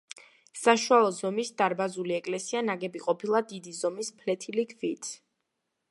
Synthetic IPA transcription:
saʃualˠɔzɔmisd̪aɾbazuliɛkʼlɛsianaɡɛbiqʼɔpʰilˠad̪id̪izɔmispʰlɛt̪ʰilikʰvit̪ʰ

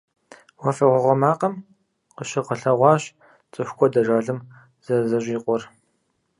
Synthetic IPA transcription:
wɔfɐʁʷɔʁʷɔmaːqɐm | qəɕɪqəɬɐʁʷɑːɕ | t͡sʼɨxʷkʷʰɔdɐʒaːɮɨm | z̥ɐzɐɕʼiːqʷʼɔr

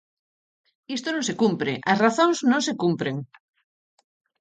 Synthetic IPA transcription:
ist̪onõŋsekumpɾeʔɐsraθõŋznõŋsekumpɾeŋ

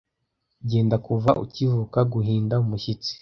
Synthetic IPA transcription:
ɟeːndakuvaʔṵcivukaɡuɦiːndaumuçit͡si̥

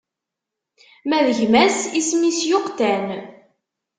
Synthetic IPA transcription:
mæðəʝmæsismisjʊqt̪æn

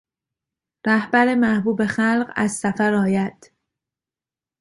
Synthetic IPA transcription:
ɾæhbæɾemæhbuːbe̞xælɢæ̰zsæfæɾɒːjæd̪̥

